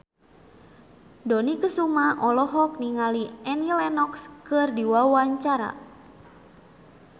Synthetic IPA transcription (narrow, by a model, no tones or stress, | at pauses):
dɔnikəsumaʔɔlɔɦɔk̚niŋaliɛnilɛnɔkskɨrdiwawaɲt͡ʃaɾa̰